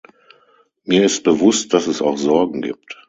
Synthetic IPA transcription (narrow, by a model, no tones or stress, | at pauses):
miːɐɪst̚b̥əvʊstd̥asɛsa̰ʊxz̥ɔɐɡŋ̩ɡḭːp̚t